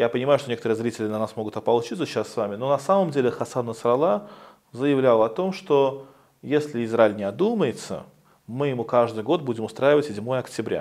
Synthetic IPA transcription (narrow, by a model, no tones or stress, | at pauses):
japənʲɪmajʊʂt̪onekət̪əɾɨəzɾʲitʲɪlʲɪnɐnasmo̞ɡʊt̪ɐpɐlˠt͡ɕit̪səɕassːvamʲɪno̞nɐsaməmdʲelʲɪxɐsad̪əsɾɐlˠa | zəjɪvlʲalˠɐt̪o̞mʂt̪o̞ | jesʲlʲɪɪzraɪlʲnʲɪɐd̪uməjɪt̪sə̰ | mɨjɪmukaʐd̪ɨjɡo̞t̪̚budʲɪmʊst̪ɾajɪvətʲsʲɪdʲmo̞jəɐktʲɪbɾʲa̰